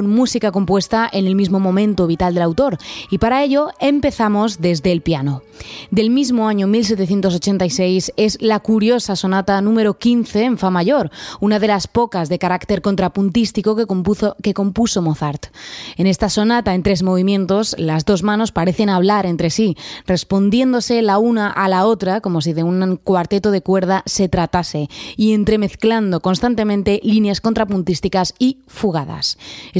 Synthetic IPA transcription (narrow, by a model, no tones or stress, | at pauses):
nmusikako̞mpwe̞st̪aʔe̞nelmizmo̞mõ̞mẽ̞nt̪o̞β̞it̪ald̪elawt̪o̞ɾipaɾae̞ʎo̞empe̞θamo̞zðe̞zðe̞ːlpiano̞ | d̪e̞lmizmo̞aɲo̞milse̞t̪eθje̞nt̪os̬o̞t͡ʃe̞nt̪ajse̞jse̞zlakuɾjo̞saso̞nat̪anũme̞ɾo̞kin̟θe̞ːɱfamaʝo̞ɾunaðe̞laspo̞kazðe̞kaɾakt̪e̞ɾko̞nt̪ɾapunt̪ist̪iko̞ke̞ko̞mpuso̞moθaɾt̪e̞ne̞st̪aso̞nat̪aent̪ɾe̞zmo̞β̞imjẽ̞nt̪o̞slazðo̞zmãno̞spaɾe̞θe̞naβ̞laɾe̞nt̪ɾe̞sire̞spo̞nd̪je̞nd̪o̞se̞launaʔalao̞t̪ɾako̞mo̞siðe̞unkwaɾt̪e̞t̪oð̞e̞kwe̞ɾð̞ase̞t̪ɾat̪ase̞ie̞nt̪ɾe̞me̞θkland̪o̞ko̞nst̪ant̪emẽnt̪e̞linjaskont̪ɾapunt̪ist̪ikasi | fuɣaða̰se